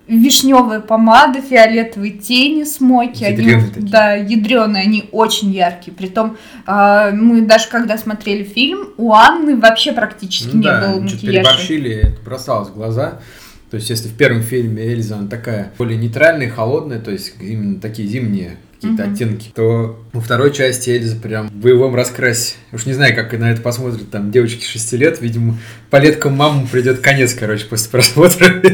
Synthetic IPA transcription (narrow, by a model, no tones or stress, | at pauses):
vʲɪʂnʲo̞vɨjəpɐmad̪əfʲɪɐlʲet̪əvɨtʲenʲɪsmo̞kʲɪɐnʲiont̪d̪ajɪd̪ɾʲo̞nːɨɐnʲiot͡ɕɪnʲjarkʲɪjəpɾʲɪt̪o̞m | mɨd̪aʐɨkɐɡd̪asmɐt̪ɾʲelʲɪfʲilʲmuanːɨvɐpɕːe̞pɾɐktʲit͡ɕɪ̥skʲɪnʲebɨlˠəntʲɪɪɾjaʂɐʂilʲɪɛt̪əbɾɐsalˠəsʲvɡlˠɐza | t̪o̞jɪsʲtʲjesʲlʲɪfʲpʲe̞ɾvəmfʲilʲmʲɪelʲɪznat̪ɐkajəolʲɪjənʲɪjt̪ɾalʲnəjəxɐlˠo̞d̪nəjət̪o̞ɪsʲtʲimʲɪnːət̪ɐkʲijəzʲimnʲɪjəkɐ̥kʲijət̪əɐt̪ʲːenkʲɪ̥t̪o̞vəft̪ɐɾo̞jt͡ɕæsʲtʲɪelʲɪzəpɾʲamvəjɪvo̞mrɐskɾasʲɪ̥uʂnʲɪznajʊkakɨnɐɛt̪əpɐsmo̞t̪ɾʲɪt̪̚ʲt̪amdʲe̞vət͡ɕkʲɪ̥ʂɨsʲtʲilʲe̞t̪vʲidʲɪmə | pɐlʲe̞t̪kəmːaməmpɾʲɪdʲo̞t̪kɐnʲe̞t̪skɐɾo̞t͡ɕɪ̥po̞sʲlʲɪ̥pɾɐsmo̞t̪ɾə